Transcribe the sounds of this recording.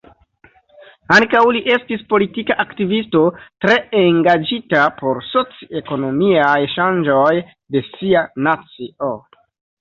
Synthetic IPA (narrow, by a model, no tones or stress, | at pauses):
aŋkawliʔe̞stispo̞litikaʔaktivisto̞tɾe̞eŋɡad͡ʒitapʰo̞ɾso̞t͡sie̞ko̞no̞miajʃand͡ʒo̞j | de̞sianat͡siʔo